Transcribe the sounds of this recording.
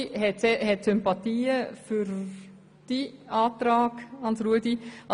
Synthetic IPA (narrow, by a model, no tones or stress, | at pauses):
ɦɛtsɛhɛtsʏmpɑt̪iːəfyɾ | d̥iɑːt̪ɾɑːɡɑnsɾuədiɑ